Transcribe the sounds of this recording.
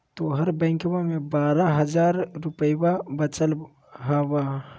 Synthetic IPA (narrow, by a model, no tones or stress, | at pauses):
t̪oɦɐɾbɛ̃ːŋkbamẽbaːɾaɦɐd͡ʒaːɾɾʊpəjwabət͡ʃəl | ɦaːwa